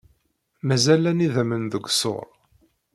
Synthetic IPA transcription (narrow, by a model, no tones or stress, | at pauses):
mæzælæniðæmənðəɡʷso̰ɾˤ